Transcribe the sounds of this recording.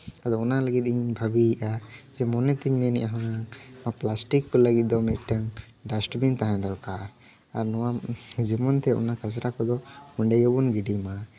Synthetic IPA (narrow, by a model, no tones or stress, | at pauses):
ad̪ɔɔnaləɡit̪̚ˀiɲɲbʱabiːʔad͡ʒɛmɔnɛt̪iɲmɛnḭʔaɦɔamaplasʈikːɔləɡit̪̚d̪ɔmɛt̪̚ˀʈaŋ | ɖasʈbint̪aɦãd̪ɔlka | aɾnɔwad͡ʒimɔnt̪ɛɔ̰nakasɾakɔd̪ɔmuɳɖɛjɔbunɡiɖima